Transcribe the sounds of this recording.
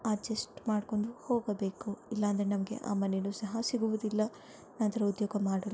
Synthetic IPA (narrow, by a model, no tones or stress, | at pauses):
ɐd͡ʒɐsʈmaːɖko̞ɳɖuhoːɡɐbe̞ːkuilːɐːnd̪ɐɾe̞nɐmɐɡe̞̰ʔa̰ːmɐnenuːsɐɦɐsiɡuʋud̪ilːɐ | nɐnt̪ɐɾɐud̪joːɡɐmaːɽɐl